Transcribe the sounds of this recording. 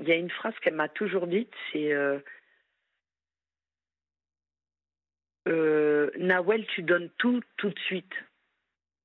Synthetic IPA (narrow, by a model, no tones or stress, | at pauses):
iljaynfχaz̥kɛlmat̪uʒuʁd̪it̪sɛø | ønawɛlt̪ʰyd̪ɔnt̪ut̪ut̪sɥit̪